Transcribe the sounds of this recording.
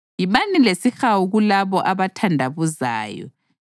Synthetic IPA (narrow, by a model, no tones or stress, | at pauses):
jimanilesixawuɣulaβɔʔaβatʰandʱaβuza̰ːjɔ̰